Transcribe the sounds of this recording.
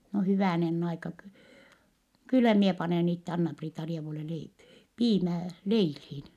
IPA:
no hyʋæˑnenː ɑikɑ ky kylːæ mie pɑneˑn itːe ɑnːɑpriːtɑrieʋule lei piːmæː leilhiːn

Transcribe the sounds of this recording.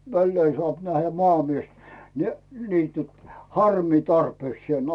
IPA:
ʋælːeːn sŏɑˑp næhːæ mŏɑˑmies ni niːtyt hɑrmiː tɑrpeːksĭeˑn

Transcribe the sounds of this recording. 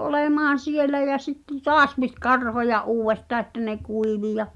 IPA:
oleˑmɑːn̞ sielæ jæ sitːe toɑs pit kɑrhojɑʔ ʔuːwʋestɑː ĕtːæ ne kuiʋi jɑ

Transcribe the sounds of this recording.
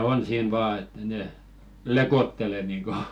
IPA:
on siːn ʋɑː etːæ ne lekotːele niŋko

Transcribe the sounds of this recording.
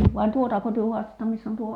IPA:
ʋɑi tuotɑko tyø huɑstɑtːɑ misː on tuo

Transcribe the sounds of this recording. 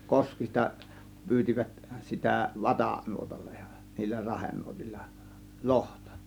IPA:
koskistɑ pyːtʲiʋæt sitæ ʋɑtɑˑ nuotɑlːɑ̥ j̊ɑ̥ niːlːæ rɑhenːuotilːɑ̥ lohtɑ̥

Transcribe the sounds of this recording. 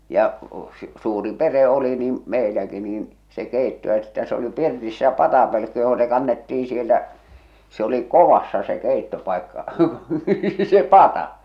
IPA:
jɑ s suːri pere oli niːm meilæki niːn se keˑitːo ĕtːæ se oli pirtisːæ pɑtɑpølkːy joho se kɑnːetːiːĩ sieltæ se oli koʋɑsːɑ se keˑitːopɑˑikːɑ se pɑtɑ

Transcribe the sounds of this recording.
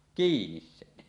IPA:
kiːnis sen

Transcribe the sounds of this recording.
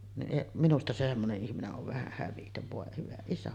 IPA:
niʔ minustɑ se semːoneʔ ʔihmineʔ ʔoʋ ʋæhæ hæʋitøʋ ʋoˑe hyʋæ isæ

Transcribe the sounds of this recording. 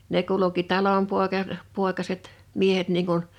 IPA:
ne kuluki tɑlompoˑekɑ poˑekɑset miehet niːŋ kun

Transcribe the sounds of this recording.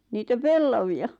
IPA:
niːtæ pelːɑʋiɑ

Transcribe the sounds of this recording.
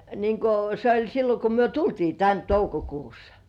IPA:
niːŋ ko se olʲ silːo ko myø tultiː tæn toukokuːsːɑ̥

